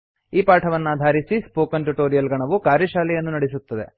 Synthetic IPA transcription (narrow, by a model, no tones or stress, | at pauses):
iːpaːʈʰɐʋɐnːaːd̪ʱaːɾisispoːkɐnʈuʈoːɾijɐlɡɐɳɐʋukaːɾjɐʃaːlɛjɐnːunɐɽisut̪ːɐd̪e̞